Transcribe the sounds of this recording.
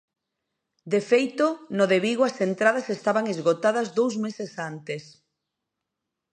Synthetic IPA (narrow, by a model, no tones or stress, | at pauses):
d̪efejt̪onoðeβiɣoasent̪ɾað̞ɐsest̪aβaŋezɣot̪aðɐzðowzmesesant̪es